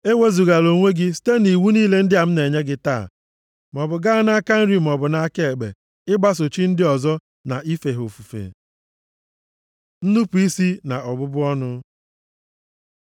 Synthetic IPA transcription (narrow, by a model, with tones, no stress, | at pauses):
e˦we˦zu˨ɣa˨lo˨ŋʷe˦ɡɪ˦si̥˦te˦ni˨wu˦niː˦le˨˦n̩˦dɪ˦a˨m̩˦ne˨ɲe˦ɡɪ˦ta̰ː˦˨ | m̩˨ɔ˨bʊ˨ɡa˦na˦ka˦n̩˦ɾi˦m̩˨ɔ˨bʊ˨na˦ke˦˨e˨ɡ͡bḛ˨ | ɪ˦ɡ͡ba˦s̬o˨t͡ʃi˦n̩˦dɪ˦ɔ˨zɔ˦ | na˨ʔi˦fe˨ɦo˨fu˨fḛ˨ | n̩˦nu˦pu˨i˦si˦na˨ʔɔ˨bʊ˦bʊ˦ɔ˦nʊ˦